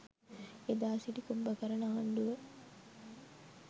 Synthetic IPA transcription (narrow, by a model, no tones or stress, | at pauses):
ed̪aːsiʈikubːəkɐɾɐnaːɳɖuʋə